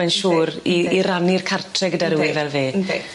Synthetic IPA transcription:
ɛnʃuːɾiiɾanirkʰartʰrɛɡədaɾɪwɪvɛlˠveː

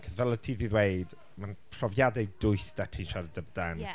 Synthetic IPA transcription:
kʰɔzvɛlˠətʰiːðiðweɨd | manpʰrɔvjadɛjd̥ʊɨsd̥atʰiʃardəbdɛn

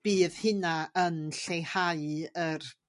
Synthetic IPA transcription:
b̥iːðhɨnaənɬejhaɨər

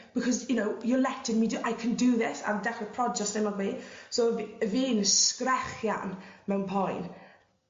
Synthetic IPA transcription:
b̥ɪkʰɔzjʊnowjəlɛtʰɪnmidɨʔajkʰə̃ndɨðɪsa̰dɛχəpʰrɔd͡ʒɛsnɪmɔðmiːsovəviːnskrɛχja̰nmɛwnpʰɔjn

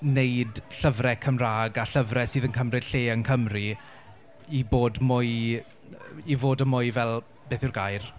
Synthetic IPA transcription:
nejdɬəvrɛkʰəmraːɡaɬəvrɛsiːðənkʰəmrɪd̥ɬeːənkʰəmri | iboːdmʊj | ivoːdəmʊjvɛlˠ | b̥eːθʊrɡajr

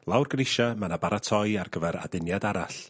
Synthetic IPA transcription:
lˠawrɡrɪʃamanabaɾatʰɔjarɡəvɛɾa̰dɪnjadaɾaɬ

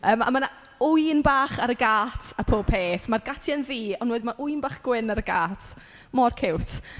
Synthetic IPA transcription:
əːma̰mana | ʊɨnbaːχaɾəɡaːtʰapʰoːb̚pʰeːθmarɡatʰjanviːɔnwɛɨdmaʔʊɨnbaːχɡ̥wɪnaɾəɡaːtʰ | mɔrkʰɪwtʰ

